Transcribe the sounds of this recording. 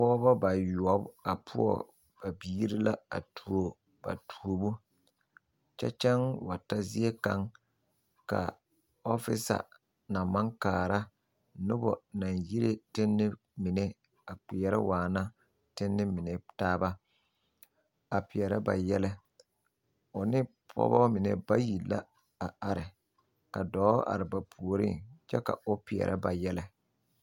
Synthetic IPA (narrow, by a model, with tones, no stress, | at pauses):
pɔː˦ba˦ba˨ju˨ɔ˦ba˨pʰʊ̰˦ɔ̰˦ | b̥a˨biː˦ɾi˦la˦a̰˨tʰu˨o˨ | ba̰˨tʰu˨o˨bu˦ | t͡ʃɛ̰˦t͡ʃɛ˦ŋwa˨ta˦zi˦e˦ka˦ŋ | ka̰˨ | ɔ˦fɪ˦sa̰˨ | na˨ma˦ŋkaː˨ɾa˦ | nʊ˦bɔ̰˨na˨nji˦ɾe˦tɪ˦nːɪ˦ | mɪ˨nɛ˦ | a˨k͡pɪ˨jɛ˨ɾɛ˦waː˨na˦ | tɪ˦nːɪ˦mɪ˨nɛ˨taː˦ba˦ | a˨pɪ˨jɛ˨ɾa˦ba̰˨jɛ˦lɛ˦ | ʊ˨nɪ˦pʰɔ̰˦bɔ˦mɪ˨nɛ̰˦ba˦ji˨la̰˦ | a˨a˨ɾɪ˨ | ka˨dɔː˨˦ʔa̰˨ɾɪ˨ba˨pʰu˨o˨ɾḭ˦ŋt͡ʃɛ˦ka̰˨ʊ˦pɪ˨ɛ̰˨ɾʔa˦ba˨jɛ˦lɛ˦